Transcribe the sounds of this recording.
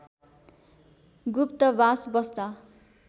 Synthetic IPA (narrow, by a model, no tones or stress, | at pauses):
ɡupt̪ʌbasbʌst̪a